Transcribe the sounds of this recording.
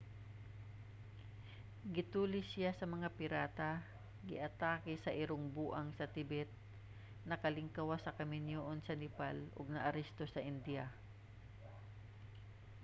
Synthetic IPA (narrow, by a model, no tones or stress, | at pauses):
ɡɪt̪uːlɪsɪjasɐmɐŋapɪɾaːt̪a | ɡɪʔɐt̪aːkɪsɐʔɪɾoŋbuːʔɐŋsɐt̪ɪbɛt̪̚ | nɐkɐlɪŋkawasɐkɐmɪnjoʔonsɐnɪpalʔo̰ɡ̚nɐʔɐɾɛst̪osɐʔɪnd̪ia